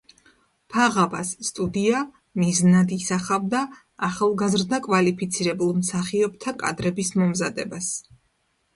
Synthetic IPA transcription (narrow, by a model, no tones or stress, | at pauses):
pʰaʁavasːt̪ʼud̪ia | miznad̪isaχavd̪aː | χalˠɡazɾd̪akʼvalipʰit̪sʰiɾɛbulˠmsaχiɔb̚t̪ʰakʼad̪ɾɛbismɔmzad̪ɛbas